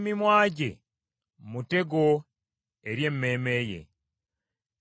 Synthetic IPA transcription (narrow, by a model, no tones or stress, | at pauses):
mimwaːɟḛ | mute̞ɡo | eɾje̞mːeːmeːje̞̰